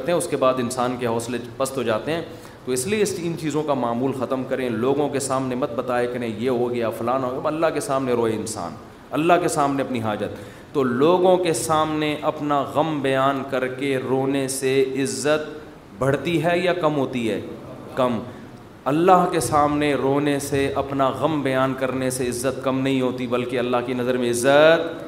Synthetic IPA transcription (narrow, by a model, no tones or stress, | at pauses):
t̪eɦɛ̃ʊskebaːd̪ɪnsaːnkeɦɔːslepɐst̪ɦoːd͡ʒaːt̪eɦɛ̃ː | t̪oɪslieɪsɪnt͡ʃiːzõkamaːmuːlxɐt̪əmkɐɾẽloːɡõkesaːmnemɐt̪̚bɐt̪aːekɐɾẽjeɦoɡɐjafʊlaːnɦoɐlːaɦkesaːmneɾoːeɪnsa̰ːn | ɐlːaɦkesaːmneɐpniɦaːd͡ʒət̪ː | oːloːɡõkesaːmneʔɐpnaɣɐmbɐjaːnkɐɾkeɾoːneseɪzːət̪̚ | bʱɐɽ̤t̪iɦɛjakɐmɦoːt̪iɦɛ̰ː | kɐm | ɐlːaːɦkesaːmneɾoːneseʔɐpnaɣɐmbɐjaːnkɐɾneseɪzːət̪kɐmnɐɦĩɦoːt̪ibɐlkeɐlːaɦkinɐzəɾmẽɪzːət̪̚